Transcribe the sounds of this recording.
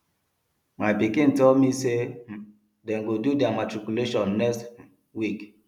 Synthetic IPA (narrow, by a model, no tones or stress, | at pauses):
majbikĩntɔlmise | dɛnɡodudamatɹikjuleʃɔ̃nːɛkst | wik